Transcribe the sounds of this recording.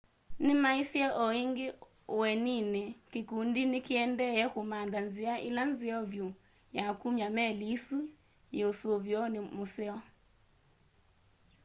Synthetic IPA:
nɪmaisjɛʔɔiŋɡe | wɛninekekundinekeɛndɛjɛkomandanzɪaʔelanzɪɔvjo | jakumjamɛlisu | jeosoβjɔnemosɛɔ

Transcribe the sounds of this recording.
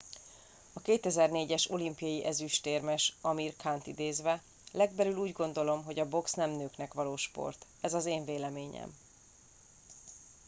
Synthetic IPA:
ɒkeːt̪ɛzɛrneːɟɛʃo̞limpijɒjiʔɛzyʃt̪eːrmɛʃɒmirkʰaːnt̪id̪eːzʋɛ | lɛɡbɛlyluːɟɡo̞nd̪o̞lo̞mɦo̞ɟɒbo̞ksnɛmnøːknɛkʋɒloːʃpo̞̰rt̪ | ɛzɒzeːɱveːlɛmeːɲɛ̰m

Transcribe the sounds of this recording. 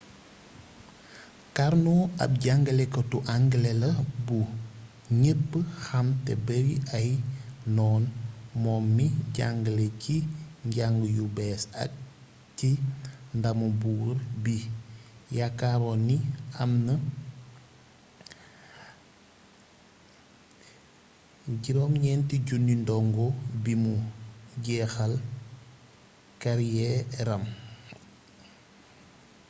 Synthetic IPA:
kaɾnɔɐ̰p̚ɟaŋɡəlɛkɔtuʔaŋɡlɛlɐbu | ɲət̚bəxɐmtɛ̰bəɾiʔɐjnɔːnmɔːmːiɟaŋɡəleciɲɟaŋɡəjubɛːsɐ̰k̚ | tindɐmubuːrbi | jakːaɾɔniɐmnə | ɟiɾɔːmɲɛntiɟunːindɔŋɡɔbimuɟɛːxɐl | kaɾijɛɾɐm

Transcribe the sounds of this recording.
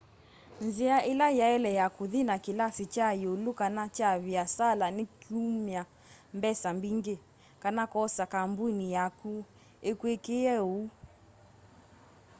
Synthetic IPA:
nziaʔelajaɛlɛjakuðinakilasit͡ʃajolukanat͡ʃaβiasalanikumia | mbɛsambiŋɡe | kanakɔsakambuinijaku | ekwekejɛu

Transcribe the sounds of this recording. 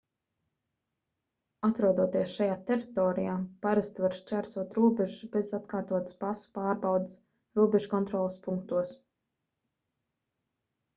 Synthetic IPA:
at̪ɾuɔd̪uɔt̪iɛsʃajaːt̪eɾit̪ɔːɾijaːpaɾast̪vaɾst͡ʃæɾsuɔt̪ɾuɔbeʒusbezat̪̚kaːɾt̪uɔt̪spasu̥paːɾbawd̪s | ɾuɔbɛʒkɔnt̪ɾɔːlˠspuŋk̚t̪uɔs

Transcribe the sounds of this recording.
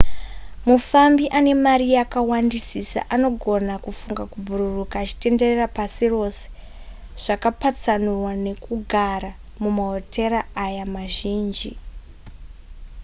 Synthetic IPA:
mufambiʔane̞maɾijakawandisisa̰ʔano̞ɡʱo̞nakufuŋɡakubʱuɾurukaːt͡ʃi̥te̞nde̞rerapasiro̞se̥ | ʐ̥akapat͡sanurwane̞kuɡʱaɾa | mumaɦo̞te̞ɾaːjamaʒiːnd͡ʒi

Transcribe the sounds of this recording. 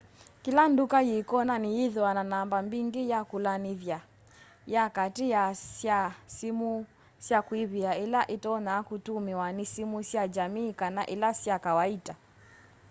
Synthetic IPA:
kilandukajikɔnanijiðiwananambambiŋɡijakulanivja | jakatijasjasimu | sjakwiβiailaʔitɔnaːkutumiwanisimusjad͡ʒamiːkanaʔilasjakawaita

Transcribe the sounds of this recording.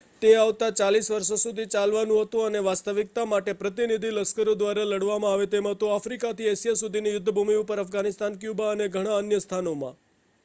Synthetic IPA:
t̪eaʋt̪at͡ʃalisʋəɾʃosud̪ʱit͡ʃalʋanũɦət̪ũəneʋast̪əʋik̚t̪amaʈepɾət̪inid̪ʱiləskəɾjod̪ʋaɾaləɽʋamãaʋet̪emãt̪oafɾikat̪ʰiesijasud̪ʱinijʊd̪ʱːəbʱumiupəɾafɡanɪst̪ankjubaəneɡʱəɽ̃aənjəst̪ʰanomã̰

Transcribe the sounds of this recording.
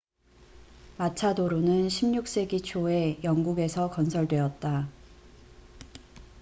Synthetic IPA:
mat͡ɕʰadoɾonɯnɕʰimɲuk̚s͈e̞ɡit͡ɕʰoe̞jʌŋɡuɡe̞sʰʌkʌnsʰʌɭdwe̞ʌt̚t͈a

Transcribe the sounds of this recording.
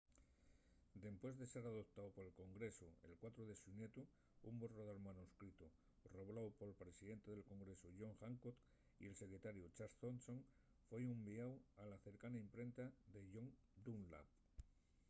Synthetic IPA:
d̪e̞mpwe̞zðeseɾaðo̞p̚t̪awpoɾe̞lko̞ŋɡɾe̞sue̞̰lkwat̪ɾoðe̞sunje̞t̪u | umboroðoɾmanuskɾit̪u | ro̞βlawpo̞lpɾe̞siðe̞nt̪eðelko̞ŋɡɾe̞soʝo̞ŋxaŋkot̪ | ḭe̞lse̞kɾet̪aɾjut͡ʃaɾθonsoŋ | fweumbiawalaθe̞ɾkanaimpɾe̞nt̪aðe̞ʎo̞ŋ | d̪unla̰p

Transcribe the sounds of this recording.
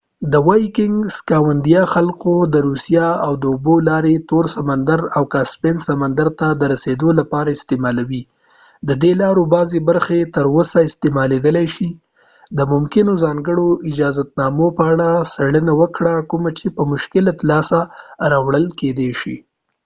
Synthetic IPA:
d̪əwajkɪŋɡskɑwand̪ijɑxalkod̪əɾusijɑawd̪əʊbolɑɾet̪oɾsamand̪aɾawkaspensamand̪aɾt̪ad̪əɾased̪olapɑɾaɪst̪emɑlawi | d̪əd̪elɑɾobɑzebaɾxet̪əɾwosaɪst̪emɑled̪əlajʃi | d̪əmʊmkɪnozɑŋɡəɽoʔɪd͡ʒɑzat̪̚nɑmopəaɽasaɽənawəkɽakumat͡ʃepəmʊʃkɪlat̪lɑsaɾɑwɽəlked̪eʃḭ

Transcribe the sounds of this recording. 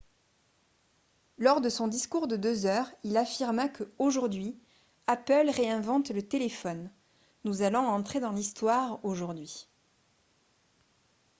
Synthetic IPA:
lɔʁd̪əsɔ̃d̪iskuʁd̪əd̪øzœʁilafiʁmakʰəoʒuʁd̪ɥi | apœlʁeɛ̃vɑ̃t̪lət̪elefɔnː | uzalɔ̃ɑ̃t̪χed̪ɑ̃list̪waʁoʒuʁd̪ɥi

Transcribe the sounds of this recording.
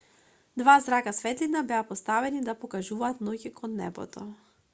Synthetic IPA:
d̪vazɾakasvɛt̪linabɛapɔst̪avɛnid̪apɔkaʒuvaːt̪nɔcikɔnːɛ̰bɔ̰t̪ɔ

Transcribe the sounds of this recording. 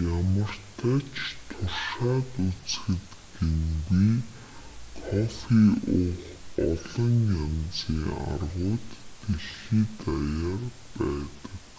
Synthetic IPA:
jamə̆r̥t̪ʰæːt͡ɕʰt̪ʰʊrʃaːt̪ut͡sxɘ̆t̪ | ɡ̥emɡiː | kʰɔfiʊχ | ɔɮɞ̆ŋjamt͡siːŋa̰rʁʊːt̪ːeɮxiːt̪ajar | pæːt̪ə̥̆k

